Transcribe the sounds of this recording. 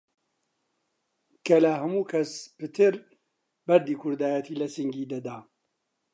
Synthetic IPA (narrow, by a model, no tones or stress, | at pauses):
kʰɐlɐɦɐmuːkʰɐspɨt̪ʰɨɾ | bɐɾd̪iːkʰʊɾd̪aːjɛt̪ʰiːlɐsɨŋɡiːd̪ɐd̪aː